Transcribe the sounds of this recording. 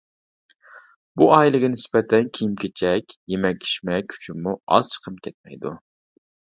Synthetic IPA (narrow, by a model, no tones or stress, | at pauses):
buɑjlˠɪɡʲɛnɪsbɛt̪ʰɛnkʲʰijimkʲʰet͡ʃʰɛkʲjemɛkʲʰi̥ʃmɛkʲʰy̥t͡ʃʰimuɑ̰z̥t͡ʃʰə̥qʰəmkʲʰɛt̪̚mɛjd̪ṵ